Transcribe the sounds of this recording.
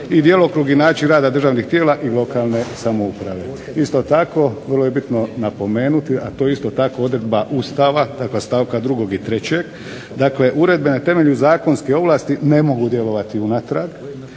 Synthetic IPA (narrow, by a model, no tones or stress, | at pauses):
id̪jelokɾuːɡinaːt͡ɕinɾaːd̪ad̪r̩ʒaːʋnixt̪jeːlaʔilo̞kalˠne̞samoupɾa̰ʋe̞ | ist̪o̞t̪ako̞ʋərlˠoje̞bit̪no̞napo̞me̞ːnut̪iat̪oːjeist̪o̞t̪ako̞o̞d̪ɾe̞d̪baʔust̪aːʋad̪̥aklest̪aːʋkad̪ɾuɡo̞ɡit̪ɾe̞t͡ɕe̞ɡ | d̪akle̞ʔuɾe̞d̪̚be̞nat̪e̞meʎuzaːko̞nskeo̞ʋlˠaːst̪ine̞mo̞ɡud̪je̞lo̞ʋat̪iunat̪ɾaɡ